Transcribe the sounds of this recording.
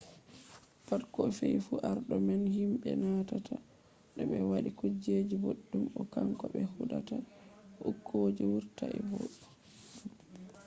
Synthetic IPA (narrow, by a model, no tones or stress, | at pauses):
fatkɔfejfuʔaɾɗɔmɛnhimɓɛnatatʰa | ɗɔbɛwaɗikud͡ʒed͡ʒiboɗːumɔkaŋkɔbɛhuɗataʔukʰːod͡ʒiwuɾtaʔɛbo̰ɗ